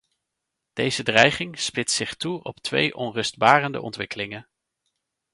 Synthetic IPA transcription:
d̥ejzədrɛjχɪŋspɪtssɪχtuɔ̰ptʋḛjʔɔnrɵsd̚baːrəndə̰ʔɔ̰ntʋɪkəlɪŋən

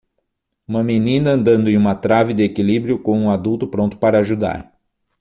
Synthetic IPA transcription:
ũmɐmenĩnɐɐ̃nd̪ɐ̃nd̪ʊẽũmɐt̪ɾavɪd̪ɪekilibɾjʊkõw̃ũad̪uwt̪ʊpɾõnt̪ʊ̥paɾɐaʒud̪a̰ɾ

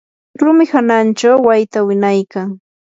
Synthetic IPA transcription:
lʊmɪhanant͡ʃawːajt̪awɪnajkaŋ

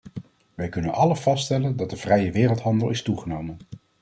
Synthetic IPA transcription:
ʋɛjkɵnənɑləv̥ɑstɛləndɑt̚dəv̥rɛjəʋɪːrəlˠtɦɑndəlˠɪstuχənowmən

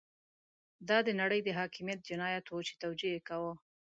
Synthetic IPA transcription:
d̪ɑd̪ənaɽəjd̪əɦɑkɪmijat̪̚d͡ʒɪnɑjat̪wut͡ʃe̥t̪awd͡ʒiekawə

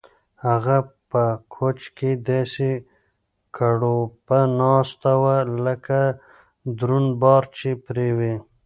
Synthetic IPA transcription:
haɣapəkʰot͡ʃked̪ese | kʰaɽopanɑːst̪awaləka | d̪ɾunbɑːɾt͡ʃepɾewe

